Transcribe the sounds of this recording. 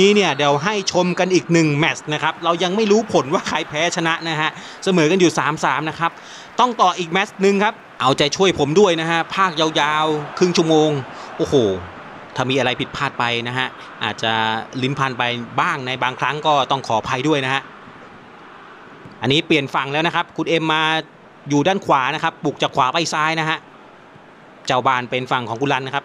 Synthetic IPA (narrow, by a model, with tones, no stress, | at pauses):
iː˦˥ni˥˩ɐdɛː˩˦wɦa˥˩jt͡ɕʰo˧mka˧nʔiː˨˩k̚nɯ˨˩ŋmɛ˦˥sna˦˥kʰa˦˥p̚ɾa˧wja˧ŋma˥˩jɾuː˦˥pʰo˨˦nwaː˥˩kʰa˧˩jpʰɛː˦˥t͡ɕʰa˧na˦˥ʔna˦˥ɦa˦˥ʔ | sa˧mɤː˩˦ka˧njuː˨˩saː˩˦msaː˩˦mna˦˥kʰɾa˦˥p̚ | t̪ɔ˥˩ŋt̪ɔː˨˩ʔiː˨˩k̚mɛ˦˥snɯ˨˧ŋkʰa˦˥p̚ʔa˧wt͡ɕa˨˩t͡ɕʰu˥˩əjpʰo˩˦mdu˥˩əjna˦˥kʰa˦˥ʔpʰaː˥˩k̚ja˧wjaː˧wkʰɾɯ˥˩ŋt͡ɕʰu˥˩əmoː˧ŋʔoː˧˩hoː˨˩ | t̪ʰaː˧˩miː˧ʔa˧ɾa˧jpʰi˨˩t̪̚pʰaː˥˩t̪̚pa˧jna˦˥ɦʰa˦˥ʔ | ʔaː˨˩t̪̚t͡ɕa˨˩li˦˥npʰa˧npa˧jbaː˥˩ŋna˧jbaː˧ŋkʰɾa˦˥ŋkɔː˥˩t̪ɔ˥˩ŋkʰɔː˩˦pʰa˧jdu˥˩əjna˦˥kha˦˥ʔ | ʔa˧nːiː˦˥pli˨˩ənfa˨˩ŋlɛː˦˥wna˦˥kʰa˦˥p̚kʰu˧nʔe˧mːaː˧ | juː˨˩daː˥˩nkʰwaː˩˦na˦˥kʰa˦˥pːu˨˩k̚t͡ɕaː˨˩kʰwaː˩˦˥pa˧˩jsaː˦˥jna˦˥ɦʰa˦˥ʔ | t͡ɕaː˧˩wbaː˧˩npe˧nfa˨˩ŋkʰɔː˩˦ŋku˧nla˦˧˩na˦˥kʰa˦˥p̚